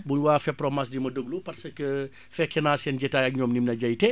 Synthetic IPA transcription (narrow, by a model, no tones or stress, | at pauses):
buɲwaːfɛprɔmɐsdimɐdəɡlupɐrsəkə | fɛkːɛnaːsɛnd͡ʒɛtajɐk̚ɲoːmnimnɐd͡ʒɐjtɛ